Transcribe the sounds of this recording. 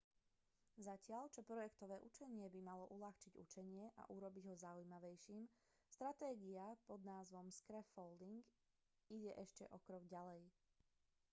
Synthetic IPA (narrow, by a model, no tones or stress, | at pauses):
zacɪaʎt͡ʃɔpɾɔjɛkt̪ɔʋɛːʔut͡ʃɛɲɪɛbimalɔʔulaxt͡ʃiɟṵt͡ʃɛɲɪɛʔa̰ʔuɾɔbiɟɦɔzaujmaʋɛjʃiːm | st̪ɾat̪ɛːɡiapɔd̪naːzʋɔmskɾɛfɔld̪iŋɡ | iɟɛʔɛʃcɛʔɔkɾɔɡɟalɛj